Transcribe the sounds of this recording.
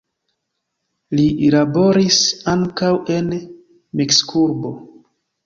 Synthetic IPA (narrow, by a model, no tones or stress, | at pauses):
lilabo̞ɾisaŋkawe̞n | mikskʰuɾbo̞